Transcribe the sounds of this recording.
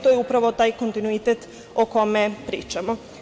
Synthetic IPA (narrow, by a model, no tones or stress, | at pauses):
t̪ojɛupɾaʋot̪aːjko̞nt̪inuit̪et̪ | okomepɾḭːt͡ʃamo